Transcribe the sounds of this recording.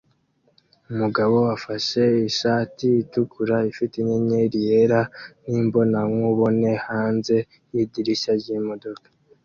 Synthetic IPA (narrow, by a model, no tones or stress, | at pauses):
umuɡaβo̞afaʃe̞iʃaːtiːtukuɾaifitiɲeɲeɾijeɾaniːmbo̞naŋŋuβo̞ne̞haːnze̞ | jidiɾiʃaɾɟimodo̞kḁ